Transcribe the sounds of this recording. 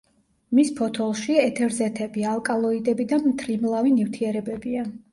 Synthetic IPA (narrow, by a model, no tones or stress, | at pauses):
mispʰɔt̪ʰɔlˠʃiɛt̪ʰɛɾzɛt̪ʰɛbialˠkʼalˠɔid̪ɛbid̪amt̪ʰɾimlˠavinift̪ʰiɛɾɛbɛbia